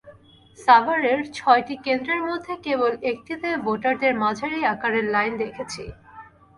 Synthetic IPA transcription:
sabaɾeɾt͡ɕʰɔeʈikend̪ɾeɾmod̪ʱːekebolek̚ʈ̪it̪eboʈaɾd̪eɾmad͡ʑʱaɾijakaɾeɾlajnd̪ekʰet͡ɕʰḭ

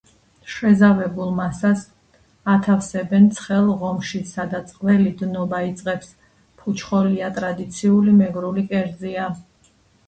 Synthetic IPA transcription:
ʃwɛzavɛbulˠmasas | at̪ʰafsɛbɛnt̪sʰχɛlˠʁɔmʃisad̪at̪sʼqʼvɛlid̪nɔbait̪sʼqʼɛps | pʰut͡ʃʰχɔliat̪ʼɾad̪it̪sʰiulimɛɡɾulikʼɛɾd̪zia

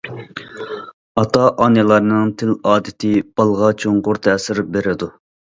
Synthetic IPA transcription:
ɑt̪ʰɑʔɑnɨlˠɑɾnɨŋt̪ʰɪlɑːd̪ɪt̪ʰɪb̥ɑlˠʁɑt͡ʃʰoɴqʊɾt̪ʰɛːsɪɾbeɾɪd̪u

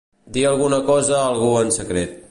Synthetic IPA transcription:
d̪iəlˠɣunəkɔzəːlˠɣuənsəkɾet̪̚

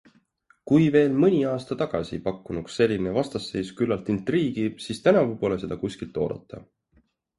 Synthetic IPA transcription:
kujve̞ːlmɤnʲiɑːst̪ɑt̪ɑɡ̥ɑ̰sḭpɑkːˑunuksːe̞lʲːinevɑst̪ɑsːe̞jskylːɑlt̪int̪riːɡ̥isiːst̪ænɑvupo̞ːlese̞d̪̥ɑkusʲkilt̪ːˑo̞ːd̪̥ɑ̰t̪ˑːɑ̰

